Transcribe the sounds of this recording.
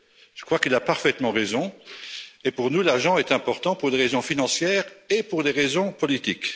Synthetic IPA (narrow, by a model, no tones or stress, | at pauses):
ʒ̥əkχwakilapaʁfɛt̪mɑ̃ʁezɔ̃ | epuʁnulaʁʒɑ̃ɛt̪ɛ̃pɔʁt̪ɑ̃puʁd̪eʁezɔ̃finɑ̃sjɛːʁepuʁd̪eʁezɔ̃pɔlit̪ik